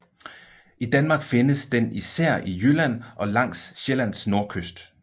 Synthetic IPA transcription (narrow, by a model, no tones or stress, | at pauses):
ʔid̥ænmɑ̈ːɡ̥fe̝nəsd̥enisæɐ̰ijølæn̰ʔɒ̽lɑ̈ŋ̰sɕelæn̰sno̝ɐkʰøsd̥